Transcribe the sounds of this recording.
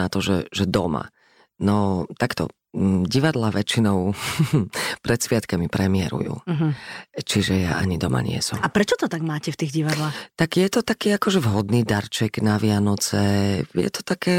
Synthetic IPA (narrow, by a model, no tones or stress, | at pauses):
at̪ɔʒɛʒɛd̪ɔma̰ | nɔt̪akt̪ɔ̰ | ɟiʋad̪laʋɛt͡ʃinɔʊ | pɾɛt̪sʋɪat̪kamipɾɛmɪɛɾṵjṵːɦt͡ʃiʒɛja̰ʔa̰ɲid̪ɔma̰ɲɪɛ̰sumapɾɛt͡ʃɔt̪ɔt̪aɡmaːcɛft̪iːɣɟiʋad̪laːxt̪aɡjɛt̪ɔt̪akiːakɔʒɛvɦɔd̪niːd̪aɾt͡ʃɛɡnaʋɪanɔt͡sɛjɛ̰t̪ɔ̥t̪akɛː